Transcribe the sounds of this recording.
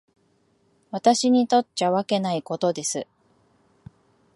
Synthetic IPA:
βat̪aɕiɲ̟it̪o̞tːt͡ɕaβake̞naiko̞t̪o̞d̪e̞sɨ

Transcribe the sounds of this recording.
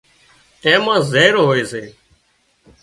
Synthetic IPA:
ẽːmãːzeːɾoɦoːeːseː

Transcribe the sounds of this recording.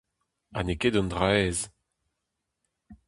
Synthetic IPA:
a̰neked̪ɔ̃ndʁɛz

